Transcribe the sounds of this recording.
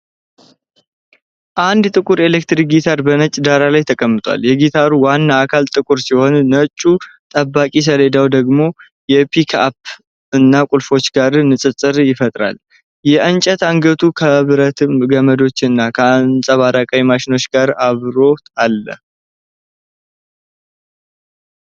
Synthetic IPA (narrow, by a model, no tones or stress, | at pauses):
ʔand̪t̪ʼɨkʼuɾe̞lek̚t̪ɾik̚ɡit̪ʰaɾbənət͡ʃʼd̪aɾalajt̪ʰəkʼəmːɨt̪ʼa̰ljɛɡit̪ʰaɾuwanːaːkʰalt̪ʼɨkʼuɾsiho̞nːət͡ʃʼːut̪ʼəbːakʼis̬əled̪awd̪əɡmo̞ | jɛpʰikʰa̰p̚ | ɨnːakʼulfo̞t͡ʃːɡaɾnɨsʼɨt͡sʼːɨɾjɪfət̪ʼɾa̰l | jɛʔənt͡ʃʼət̪aŋɡət̪ʰukʰəβɨɾət̪ʰɨmɡəməd̪o̞t͡ʃːɨnːakʰəansʼaβaɾakʼawimaʃɪno̞t͡ʃːɡ̥aɾaβɾo̞t̪ʰalːə̰h